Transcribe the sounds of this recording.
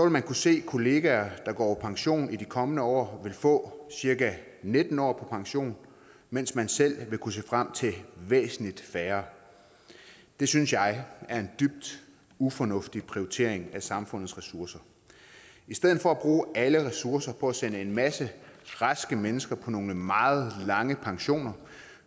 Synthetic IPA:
sɒ̽ʋe̝lmænkʰuse̝̰ːkʰo̝le̝ːɡ̥æɐd̥ɑ̈ɡ̥ɒ̰ːpʰɒ̽pʰɑ̈ŋɕo̝̰ːnid̥ikʰɒ̽mənəɒ̰ːʋe̝lfɔ̰̽ːsiɐɡæne̝d̥n̩ɒ̰ːpʰɒ̽pʰɑ̈ŋɕo̝̰ːn | men̰smænsel̰ʋe̝kʰuse̝ːfʁam̰t͡sʰe̝ʋḛːsn̩lid̥fæːɐ | d̥e̝synsjɑ̈ɪæɐe̝nd̥yb̥̚d̥ | ufɒ̽nɔ̽fd̥ipʰʁioit͡sʰe̝̰ɐe̝ŋæsɑ̈mfɔ̽n̰ð̩ˠsʁɛsuɐsɐ | isd̥eð̞̰̩ˠfɒ̽æb̥ʁuːæləʁɛsuɐsɐpʰɒ̽æsenəe̝nmæsəʁɑsɡ̥əmenəsɡ̥ɐpʰɒ̽no̝ːləmɑ̈ːð̞̩ˠlɑ̈ŋəpʰɑ̈ŋɕo̝̰ːnɐ

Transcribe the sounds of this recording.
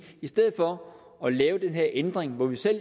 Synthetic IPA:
isd̥eð̰̩ˠfɒ̽ | ɒ̽lɛːʊd̥enɦeɐ̰ʔend̥ʁeŋʋɒʋisel̰

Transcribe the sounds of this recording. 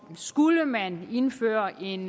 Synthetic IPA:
sɡ̥uləmæne̝nfø̰ːɐʔe̝n

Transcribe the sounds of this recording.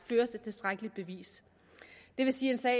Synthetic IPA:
føːɐse̝d̥̚t͡sʰe̝lsd̥ʁaɡ̥əlid̥̚b̥e̝ʋḭːs | d̥e̝ʋe̝siːe̝nsɛ̰ː

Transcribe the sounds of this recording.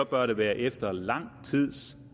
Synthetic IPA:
ɒ̽b̥ɶɐɾe̝ʋæːɐʔefd̥ɐlɑ̈ŋ̰t͡sʰið̰ˠs

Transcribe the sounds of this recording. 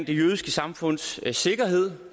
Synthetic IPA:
n̰d̥e̝jøːðˠisɡ̥əsɑ̈mfɔ̽n̰sse̝ɡ̥ɐɦe̝ð̞̰ˠ

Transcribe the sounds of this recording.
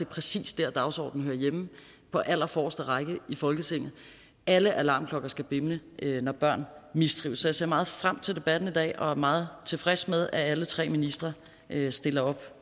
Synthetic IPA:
e̝ɐpʰʁɛsḭːsd̥æɐd̥ɑ̈ʊsɒ̰ːd̥n̩høːɐjem | pʰɒ̽ʔæl̰ɐfɒ̰ːsd̥əʁɑ̈ɪɡ̥əifɒ̽lɡ̥ət͡sʰe̝ŋ̰ð̩ˠ | ʔæləʔælɑ̈ːmkʰlɒ̽ɡ̥ɐsɡ̥æb̥e̝mnəʔønɒb̥ɶɐ̰nmisd̥ʁḭːʊsɒjase̝̰ɐmɑ̈ːð̞̩ˠfʁam̰t͡sʰe̝ld̥e̝b̥æd̥n̩id̥ɛ̰ːɒ̽æɐmɑ̈ːð̞̩ˠt͡sʰe̝fʁɛsmeð̞ˠæælət͡sʰʁɛ̰ːminisd̥ʁɐ | ʔøsd̥e̝lɐɒ̽b̥

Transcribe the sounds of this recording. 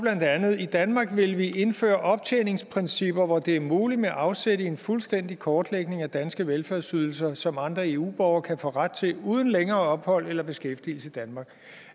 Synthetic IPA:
b̥læn̰d̥ænð̩ˠid̥ænmɑ̈ːɡ̥ʋe̝lʋiʔe̝nfø̰ːɐʔɒ̽b̥̚t͡sʰene̝ŋspʰʁensib̥ɐʋɒd̥e̝æɐmuːlid̥meæʔɑ̈ʊseɾəe̝nfulsd̥en̰d̥ikʰɒːd̥leɡ̥ne̝ŋæd̥ænsɡ̥əʋelfæɐsyð̞ˠl̩sɐsɒ̽mɑ̈nd̥ʁɐe̝ːṵːb̥ɒʊɐkʰæfɔ̰ːʁad̥̚t͡sʰe̝luːð̞ˠən̩leŋɐːɒ̽b̥hɒ̽l̰elɐb̥e̝sɡ̥efd̥il̩sʰed̥ænmɑ̈ːɡ̥

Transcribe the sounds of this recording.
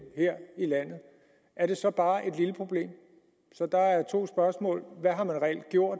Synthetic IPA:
heɐ̰ilæn̰ð̩ˠ | ʔæɐɾ̥e̝sɒ̽b̥ɑ̈ːʔe̝d̥liləpʰʁo̝b̥le̝̰ːm | sɒ̽d̥ɑ̈æɐt͡sʰo̝̰ːsb̥ɶɐsmɔ̰̽ːlʋæɦɑ̈mænʁɛḛld̥ɡ̥jo̝ɐ̰d̥

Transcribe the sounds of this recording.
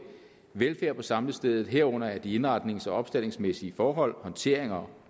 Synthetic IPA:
ʋelfæɐ̰pʰɒ̽sɑ̈mləsd̥eð̞ˠð̩ˠɦeɐ̰ɔ̽n̰ɐæɐd̥ie̝nʁɑ̈d̥ne̝ŋsɒ̽ɒ̽b̥sd̥el̰e̝ŋsmesiəfɒːɦɒ̽l̰hɒ̽nt͡sʰe̝ɐ̰eŋɐ

